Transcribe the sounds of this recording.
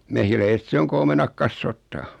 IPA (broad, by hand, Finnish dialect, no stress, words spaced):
mehilæiset se oŋ ku omenɑk kɑsːoːtːɑː